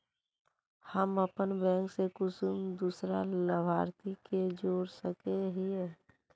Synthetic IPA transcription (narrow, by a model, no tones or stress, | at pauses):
həməpənbɛ̃ːŋksekʊsumd̪uːsɾaləbʱaːɾt̪iked͡ʒoːɾsəkeɦiɛ